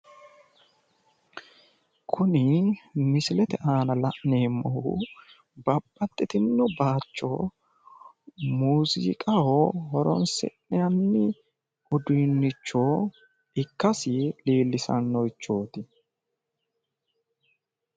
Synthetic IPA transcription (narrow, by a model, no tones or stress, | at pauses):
kʰʊnɪmɪsɪlɛt̪ɛʔaːnɐlɐʔneːmːɔhṵ | bɐbːɐt̪ʼːɪt̪ɪnːɔbaːt͡ʃːoː | muːzɪ̰ːkʼɐhohɔɾɔ̰nsɛ̰ʔɛjɐnːɪ | ɔd̪uːnːɪt͡ʃːoː | ɪkːɐsɪliːlːɪsɐ̰nːɔjt͡ʃːo̞ːt̪ɪ